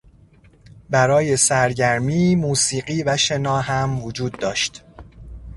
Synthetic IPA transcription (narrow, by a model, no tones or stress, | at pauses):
bæɾɒːje̞sæɾɟæɾmiːmuːsiːɢiːvæʃe̞nɒːɦæmvod͡ʒuːd̪ːɒːʃt̪